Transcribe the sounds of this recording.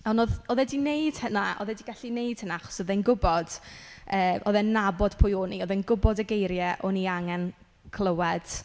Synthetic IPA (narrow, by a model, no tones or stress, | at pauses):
ɔnɔðɔðɛdinejd̥hənaʔɔ̰ðɛdiɡaɬinejd̥hənaaχɔ̥sɔðɛnɡʊbɔd̥əːʔɔ̰ðɛnːabɔd̥pʰʊjoːniɔðɛnɡʊbɔdəɡejɾjɛʔɔniaŋɛn | kʰlˠəwɛd̥